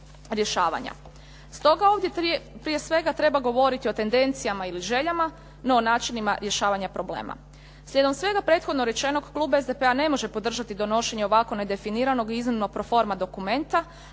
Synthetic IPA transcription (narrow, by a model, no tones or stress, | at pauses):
ɾje̞ʃaːʋa̰ɲa̰ | st̪o̞ɡao̞ːʋd̪jepɾije̞sʋe̞ɡat̪ɾe̞baɡo̞ʋo̞ɾit̪io̞t̪e̞nd̪e̞nt̪sijamailiʒe̞ʎama | noːnaːt͡ʃinimaɾje̞ʃaːʋaɲapɾo̞blḛːma̰ | slʎʲe̞d̪omsʋe̞ɡapɾe̞ːt̪xo̞d̪no̞ɾe̞t͡ʃe̞no̞ɡklˠuːbaezd̪epeane̞mo̞ʒe̞po̞d̪r̩ʒat̪id̪o̞no̞ʃe̞ɲeo̞ʋako̞ne̞d̪e̞finiːɾano̞ɡiiznimnoɡ̚pɾofo̞ɾmad̪o̞kume̞nt̪a